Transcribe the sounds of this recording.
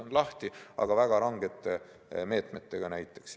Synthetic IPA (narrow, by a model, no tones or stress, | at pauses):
onlɑht̪iɑ̰ɡ̥ɑvæɡ̥ɑɾɑŋɡ̥et̪ːˑe | me̞ːt̪met̪ːe̞ɡ̥ɑnæjt̪ːˑe̞̥ks